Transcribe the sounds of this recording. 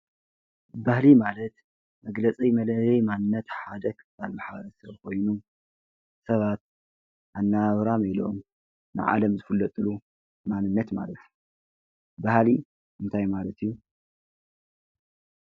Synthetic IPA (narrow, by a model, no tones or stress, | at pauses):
bahlimalɐt̪ | mɐɡlɐt͡sʼijmɐlɐlɐjmanɨnːɐt̪ħad̪ɐɡ | almaħaβɐɾɐsɐβkʰo̞jnu | sɐβat̪̚ | ʔanːaβɾamilo̰m | nɨ̰ʕa̰lɐmzɨfɨlːɐt̪ʼɨlu | manɨnːɐt̪ma̰lɐt̪ | bahli | ʔɨnt̪ʰajmalɐt̪ʰijːu